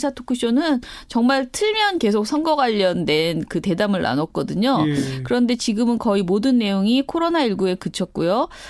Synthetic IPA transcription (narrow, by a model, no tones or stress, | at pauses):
sʰatʰo̥kʰuɕ͈ʰʌnɯnt͡ɕʌŋmaɭtʰɯɭmjʌnke̞sʰok̚sʰʌnɡʌɡwaʎːʌndwe̞nkɯte̞damɯɭna̰nʌk̚k͈ʌdɯɲokɯɾʌnde̞t͡ɕiɡɯmɯnkʌimodɯnːe̞joŋikʰoɾonaiɭɡue̞kɯt͡ɕʰʌt̚k͈ujo